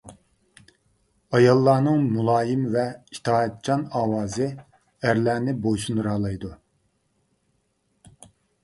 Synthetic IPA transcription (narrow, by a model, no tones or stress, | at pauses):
ɑjɑlˠːɑːnɨŋmulˠɑːjɪmvɛi̥t̪ʰɑːɛt̪̚t͡ʃʰɑnɑːwɑːzɨ | æɾlæːnɪbojʃunuɾɑːlˠɑjd̪u